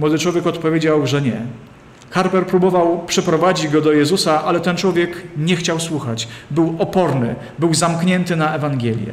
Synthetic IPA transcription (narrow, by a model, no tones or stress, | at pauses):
mwɔd̪ɘt͡ʂwɔvʲjɛkɔt̪pɔvʲjed͡ʑawʐɛɲɛ̰ | xaɾpɛɾpɾubɔvawpʂɛpɾɔvad͡ʑid͡ʑɡɔd̪ɔjɛzusaʔalɛt̪ɛnt͡ʂwɔvʲjɛkɲɛxt͡ɕawswuxat͡ɕbɘwɔpɔɾnɘ̰ | bɘwzamkɲɛnt̪ɘnaɛvaŋɡʲjɛlʲjɛ̰